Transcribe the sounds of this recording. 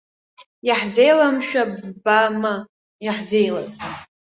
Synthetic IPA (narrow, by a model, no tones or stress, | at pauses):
jaħzejlamʃᶣabbama | jaħze̞jla̰z